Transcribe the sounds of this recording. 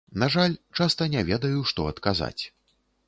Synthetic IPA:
naʐalʲt͡ʂast̪ɐnʲɛvʲɛd̪ɐjuʂt̪ɔɐt̪kaza̰t͡sʲ

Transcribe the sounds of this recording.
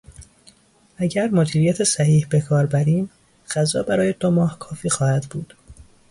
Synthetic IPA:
ʔæɟæɾmod̪iːɾijæt̪ʰesæhiːhbe̞kʰɒːɾbæɾiːm | ɢæzɒːbæɾɒːjed̪omɒːhkʰɒːfiːxɒːhæd̪buːd̪̥

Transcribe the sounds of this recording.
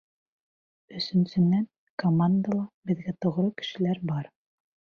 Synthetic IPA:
ɵ̆sɵ̆nsɵ̆nːæn | komand̪alˠɑbɘ̆ðɡæt̪ŏʁɾɤkɘ̥̆ʃɘ̆læɾbɑɾ

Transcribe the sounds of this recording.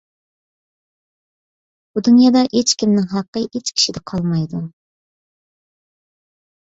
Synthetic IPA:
b̥ud̪unjɑd̪ɑʔet͡ʃkʲimnɪŋɦɑqːəʔet͡ʃkʲʰi̥ʃid̪ɛqʰɑlˠmɑjd̪u

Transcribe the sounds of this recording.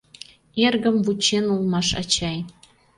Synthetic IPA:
erɡə̆mvut͡ɕenulˠmɑʃɑ̰t͡ɕɑj

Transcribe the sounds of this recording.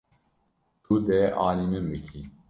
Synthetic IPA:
t̪ʰud̪ɛʔɑːlimɨmbɨkʰi

